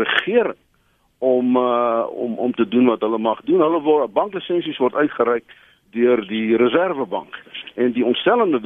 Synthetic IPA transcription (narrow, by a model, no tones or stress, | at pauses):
əχiəɾə | ɔmɔ̰mɔ̰mtədunvɐtɦələmɐχdunɦələvɔbɐŋklisɛnsisvɔrtœɥtχəɾɛjk | døərdiɾəzærvəbɐ̰ŋkɛndiɔntstɛləndə